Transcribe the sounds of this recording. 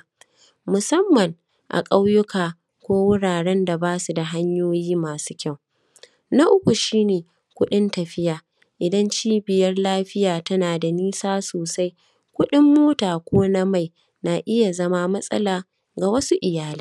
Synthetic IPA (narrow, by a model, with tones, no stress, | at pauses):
mʊ˨sɐ˦mːɐ˨ŋ | ʔa̰˨kʼa˦wjʊ˦kaː˨ | kʷoː˦wʊ˦ɽaː˨ɽɛ˦nda˨baː˦su˨da˨ɦa˦ɲjoː˦jiː˦maː˨su̥˦kʲa˦˨w | na˦ʔʊ˦kʷu˨ʃiː˦neː˨ | kʷʊ˦ɗɪ˦ntɐ˨ɸɪ˦jaː˨ | ʔɪ˨dɐ˦nt͡ʃiː˦bɪ˨jɐ˦rlaː˦ɸɪ˦jaː˨tɐ˦naː˨da˨niː˦saː˦soː˨sa˦j | kʷʊ˦ɗɪ˦mːoː˦taː˨kʷoː˦na˦ma˦˨j | na˨ʔɪ˦ja˨zɐ˦ma˦mɐ˦sʼɐ̰˦laː˨ | ɡa˨wɐ˦su˦ʔɪ˨jaː˦liː˦